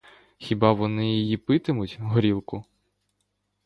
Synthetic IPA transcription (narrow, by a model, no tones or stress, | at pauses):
xʲibɑʋɔnɪjijipɪt̪ɪmʊtʲɦɔɾʲilˠkʊ